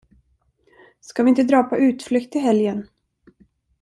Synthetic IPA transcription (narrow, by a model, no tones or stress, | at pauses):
skavɪɪnt̪əd̪ɾɑːpʰɔʔʉ̟ːt̪flʏkt̪ɪɦɛljən